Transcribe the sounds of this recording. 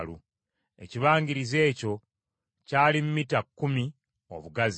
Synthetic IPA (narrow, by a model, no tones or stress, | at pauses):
lṵ | e̞ciβaːŋɟiɾize̞ːco̞ | caːlimumitakːumi | o̞̰βuɡaz